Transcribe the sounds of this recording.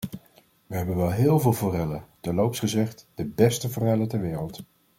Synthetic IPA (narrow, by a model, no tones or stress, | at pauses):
ʋəɦɛbənʋɛlˠɦɪːlˠvɪːlˠvorɛlətɛlowpsχəzɛχtd̥əbɛstəvorɛlətɛɹʋɪːrəlˠt